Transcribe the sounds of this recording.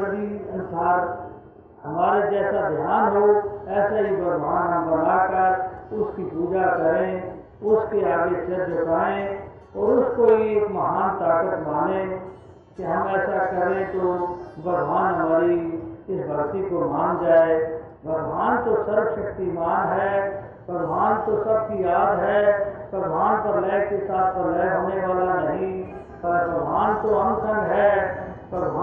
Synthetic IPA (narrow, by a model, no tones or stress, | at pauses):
ɾd̪iɐnʊsaːɾ | hɐmaːɾed͡ʒɛːsad̪ʱjaːnɦoɛːsaibɐɡʋaːnɦɐmbɐnakəɾʊskipuːd͡ʒakɐɾẽ | ʊskeaːɡesɐd͡ʒkaːẽ | ɔːɾʊskoɦieːkmɐɦaːnt̪aːkət̪mãːnẽ | keɦɐmɛːsakɐɾẽt̪obʱɐɡʱwaːnɦɐmaːɾiɪsbʱɐɡt̪ikomaːnd͡ʒaːe | bʱɐɡʱʋaːnt̪osɐɾʃɐkt̪imaːnɦɛː | bɐɡʱʋaːnt̪osɐb̚kijaːd̪ɦɛːpɾɐd̪ʱʋaːnpɐɾlɛːkesaːt̪̚ʰpɐɾlɛːɦoːneʋaːlanɐɦĩ | pɐɾbɐɡ̪ʱʋaːnt̪oɦɐmsə̃ŋɡɦɛːpɾɐd̪ʱa